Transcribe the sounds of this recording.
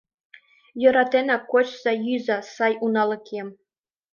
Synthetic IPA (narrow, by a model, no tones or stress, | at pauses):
jɤ̆ɾɑt̪ʲenɑkot͡ɕsɑjyzɑsɑjunɑlʲˠɤ̆kʲʰem